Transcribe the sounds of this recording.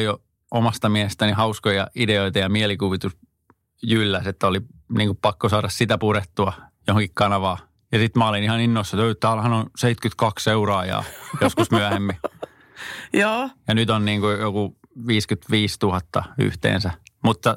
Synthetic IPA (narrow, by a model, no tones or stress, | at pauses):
jo | omɑst̪ɑmiɛhest̪ænihɑuskojɑideoit̪ɑjɑmiɛlikuʋit̪us | jylːæset̪ːæoliniːŋkuppɑkːosɑːɾɑssit̪æpuɾet̪ːuɑjohoŋkikkɑnɑʋɑː | jɑsit̪mæolinihɑninːoisːɑt̪øːt̪æːlhɑnõnseit̪kyt̪kɑkseuroɑːjɑ̰ːjoskusmyæhemːi | joːjɑnyt̪onniːŋkujoku | ʋiːskyt̪ʋiːst̪uhɑt̪ːɑ̰y̰ht̪ḛːnsæmut̪ːɑ